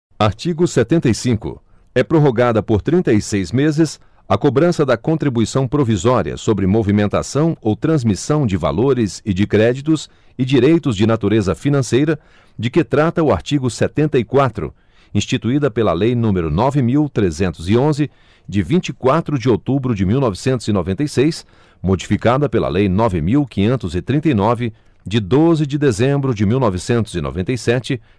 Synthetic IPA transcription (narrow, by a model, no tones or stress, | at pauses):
aɾt͡ʃiɡʊsɛt̪ẽnt̪ɐjsĩkʊ̰ | ɛpɾoɦoɡad̪ɐpoɾt̪ɾĩt̪ɐisejzmezɪs | ɐkobɾɐ̃sɐd̪ɐkõnt̪ɾibuisɐ̃w̃pɾovizɔɾiɐ̰sobɾɪmovimẽnt̪a̰sɐ̃w̃owt̪ɾɐ̃zmisɐ̃w̃d͡ʒɪva̰loɾɪzɪd͡ʒɪkɾɛd͡ʒit̪ʊs | ɪd͡ʒiɾejt̪ʊzd͡ʒɪnat̪uɾezɐfinɐ̃sejɾɐ | d͡ʒɪkɪt̪ɾat̪ɐʊaɾt͡ʃiɡʊsɛt̪ẽnt̪ɐikwat̪ɾʊ̰ | ĩst͡ʃit̪uid̪ɐpelɐ̰lejnũmeɾʊnɔvɪmiwt̪ɾezẽnt̪ʊzɪõzɪ | d͡ʒɪvĩnt͡ʃikwat̪ɾʊd͡ʒɪot̪ubɾʊd͡ʒɪmiwnɔvɪsẽnt̪ʊzɪnovẽnt̪ɐjsejs | mod͡ʒifikad̪ɐpelɐ̰lejnɔvɪmiwkĩɲẽnt̪ʊzɪt̪ɾĩnt̪ɐjnɔvɪ | d͡ʒɪd̪ozɪd͡ʒɪd̪ezẽmbɾʊd͡ʒɪmiwnɔvɪsẽnt̪ʊzɪno̰vẽnt̪ejsɛt͡ʃɪ